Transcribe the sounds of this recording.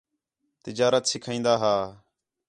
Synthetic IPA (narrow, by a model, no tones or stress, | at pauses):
t̪ɪd͡ʒaːɾət̪sɪkʰĩːnd̪aːɦaː